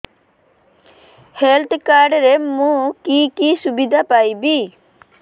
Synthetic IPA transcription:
helt̪kaːɾɖɾemũkikiːsʊbid̪ʱapaːibiː

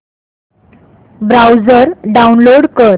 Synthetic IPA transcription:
bɾawd͡zəɾɖaunloɽkəɾ

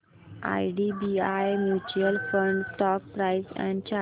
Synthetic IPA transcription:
a̰jɖibiajmjut͡ɕuəlfə̃ɳɖsʈɔk̚pɾajsɛ̰̃ɳɖt͡ɕa

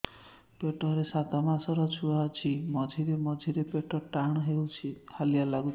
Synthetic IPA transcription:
peʈɔɾesat̪ɔmasɔɾɔt͡ʃʰuaɔt͡ʃʰimɔd͡ʒʱiɾemɔd͡ʒʱiɾepeʈɔʈaɽ̃ɔɦewt͡ʃʰihalijalaɡu

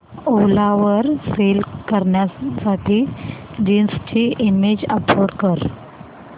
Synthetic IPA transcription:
olaʋəɾfelkəɾɳjasaʈʰiːd͡ʑinst͡ɕiːʔimed͡ʑəpoɽkəɾ

